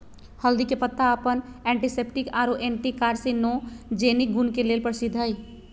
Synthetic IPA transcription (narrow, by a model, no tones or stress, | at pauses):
həld̪ikepət̪ːaəpənɛ̃ːɳʈiseːpʈɪkaːɾoʔeːɳʈikaːɾsenɔːd͡ʒeːnik̚ɡunkeleːlpəɾsɪd̪ʱəj